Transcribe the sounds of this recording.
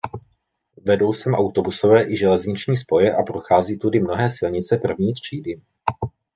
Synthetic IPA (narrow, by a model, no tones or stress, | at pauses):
vɛdo̞wsɛmʔawt̪o̞buso̞vɛːʔɪʒɛlɛzɲɪt͡ʃɲiːs̬po̞jɛʔapɾo̞xaːziːt̪udɪmno̞ɦɛːsɪlɲɪt͡sɛpr̩vɲiːt̪r̝̥iːdɪ